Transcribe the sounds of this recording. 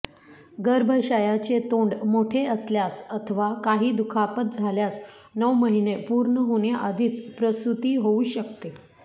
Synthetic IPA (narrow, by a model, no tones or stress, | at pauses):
ɡəɾbʱəɕəjat͡set̪oɳɖmoʈʰeəsljasət̪ʰəʋakaɦiːd̪ukʰapət̪̚d͡zʱaljas | nəwməɦinepuɾɳəɦoɳjaʔad̪ʱiːt͡spɾəst̪ut̪iːɦouɕəkt̪e